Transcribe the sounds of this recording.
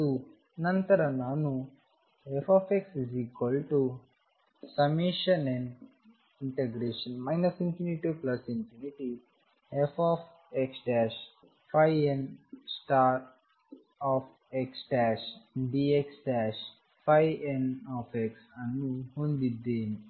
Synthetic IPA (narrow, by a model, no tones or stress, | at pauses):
t̪u | nɐ̃nt̪ɐɾɐnaːnu | efɔːfeksiziːkwəlʈu | sɐmeːʃɐnɛ̃ɳɖ | iɳʈeɡɾeːʃənmaɪnɐsĩmpjuniʈiplɐsĩnpʰjuniʈi | efʰɔːf | eksʈɛːʃ | fʰajensʈaːɾ | ɔːf | eksʈɛʃɖieksʈɛʃ | fajenɔːfeksanːũhõnd̪id̪eːni